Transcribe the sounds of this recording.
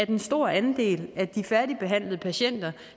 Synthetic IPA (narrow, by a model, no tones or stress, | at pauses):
æɐd̥ensd̥o̝ɐ̰ænd̥e̝̰ːlæd̥ifæɐd̥ib̥e̝ɦæn̰ləð̩ˠəpʰæɕen̰d̥ɐ